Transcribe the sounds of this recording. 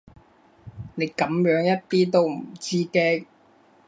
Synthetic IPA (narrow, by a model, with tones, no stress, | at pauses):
ne˨˧jkɐ˨˥mjœː˨˥ŋjɐ˥t̚t̪iː˥t̪o˥wm̩˨˩t͡siː˥kɛː˧